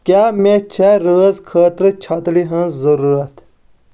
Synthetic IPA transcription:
kʲaːmẽt͡ʃʰɛɾəːzkʰəːt̪ɾɨt͡ʃʰɐt̪liɦə̃nzzɐɾuːɾɐt̪

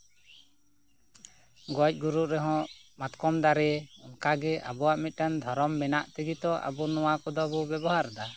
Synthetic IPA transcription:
ɡɔc̚ˀɡuɾuʔɾɛɦɔ̃ʔmat̪kɔmd̪aɾɛɔŋkaɡɛʔa̰bɔwaʔmit̪̚ˀkand̪ʱɔɾɔmːɛnaʔt̪ɛɡit̪ɔʔa̰bɔnɔwakɔd̪ɔbɔbɛbɔɦaɾd̪a

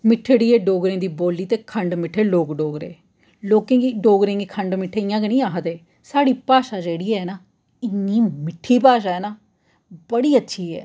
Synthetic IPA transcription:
mɪʈʰːɽiːɛːɖoːɡɾẽːd̪iːboːliːt̪eːkʰəɳɖmɪʈʰeːloːkɖoːɡɾḛ̃ː | loːkẽːɡiːɖoːɡɾẽːŋɡiːkʰəɳɖmɪʈʰːeːɪjãːkənĩːaːɦət̪eː | saːɽiːpaːʃaːd͡ʒeːɽiːɛːnaː | ɪnːiːmɪʈʰːiːpaːʃaːɛːnaː | bəɽiːətːʃʰiːɛ̰ː

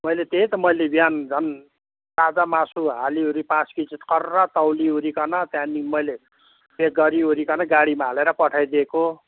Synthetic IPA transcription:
mʌjlet̪eit̪ʌmʌjlebijand͡zʱʌn | t̪ad͡zamasuɦaliuɾipãskit͡sit̪kʌrːʌt̪ʌwliɦuɾikʌnʌt̪jãnimʌjle | beɡʌɾiɦuɾikʌnʌɡaɽimaɦːleɾʌpʌʈʰajd̪eko

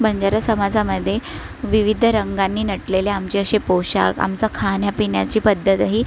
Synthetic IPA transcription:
bəɲd͡ʑaɾəsəmad͡zʱaməd̪ʱːjeʋiʋid̪ʱɾəŋɡanːiːnəʈleleamt͡ɕeəɕepowɕa̰ka̰mt͡sakʰanjapiɳjat͡ɕiːpəd̪ʱːət̪ɦiː

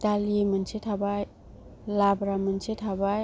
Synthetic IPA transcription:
taliemɯnsetʰabaj | labɾamɯnsetʰabaj

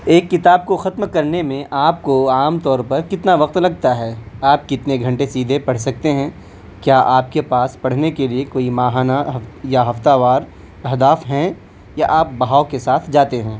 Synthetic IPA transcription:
eːkːɪt̪aːb̚koxɐt̪mkɐɾnemẽʔaːp̚koaːmt̪ɔːɾpɐɾkɪt̪naʋɐq̚t̪lɐɡ̚t̪aɦɛːaːp̚kɪt̪neɡʱɐ̃ɳʈesiːd̪ʱepɐɽ̤sɐk̚t̪eɦɛ̃ | kjaːʔaːp̚kepaːspɐɽ̤nekeliekoːimaːɦaːnaɦɐjaɦɐft̪aʋaːɾ | ɐɦd̪aːfɦɛ̃ | jaʔaːp̚bɐɦaːokesaːt̪ʰd͡ʒaːt̪eɦɛ̃ː

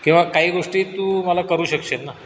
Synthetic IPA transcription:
kĩw̃ʋakaɦiːɡoʂʈiːt̪uːməlakəɾuːɕəkʂet̪na

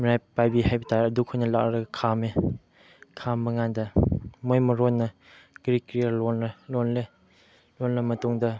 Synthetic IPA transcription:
miɾajpajbiɦajbitaɐdukʰojnɐla̰kɾɐɡɐkʰame | kʰambɐŋandɐmojmɐɾɔnːɐ | ɡ̥ɾikɾijalɔnlonle | lonlɐmɐtuŋdɐ

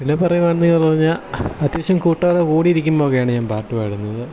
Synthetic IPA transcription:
pinːe̞pɐrɐjuʋaːɳɨniŋːɐɭpɐriɲːaːɐd̪jʋɐɕɐmkuːʈːaːɽekuːɽiiɾikʲːumbo̞ːɣɐjaːɳɨɲaːmpaːrʈːɨʋajɽunːɐðɨ

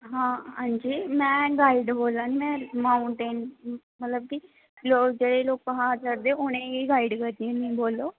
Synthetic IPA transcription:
ɦãːɦãːɲd͡ʒiːmɛ̃ːɡaːiɖboːlãːnimɛ̃ːmaːuɳʈeːn | mət̪ləb̚ki | loːd͡ʒeːɽeːloːk̚pəɦaːt͡ʃəɾd̪eːʊñẽːiːɡaːiɖkəɾd̪iẽːnĩːboːloː

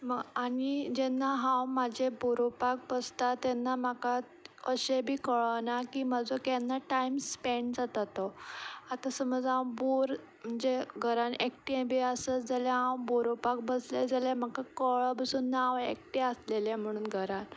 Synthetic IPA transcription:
məɡaɽid͡ʑɛnːaɦãwmad͡ʑʱeboɾopak̚bəst̪at̪ɛnːam̤aka | əɕebʱiːkəɭənakiːməd͡zokɛnːaʈajmspeɳɖd͡zat̪at̪oat̪asəməd͡zãw̃boɾ | m̤əɳd͡zeɡʱəɾanekʈiẽbʱiəsəd͡zaleɦãwboɾopak̚bəsled͡zalem̤əɡkakəɭəbəsuːnːawʋekʈiəslelem̤əɽ̃uːnɡʱəɾan

